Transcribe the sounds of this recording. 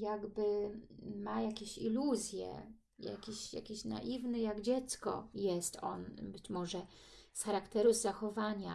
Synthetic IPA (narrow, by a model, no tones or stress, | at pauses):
jaɡbɘ | majakʲeɕḭluzʲjɛ̰ | ja̰kʲiɕja̰kʲeɕna̰ʔivnɘjaɡd͡ʑɛt̪skɔ̰jɛst̪ɔ̰nbɘt͡ɕmɔʐɛ | sxaɾakt̪ɛɾuzːaxɔvaɲa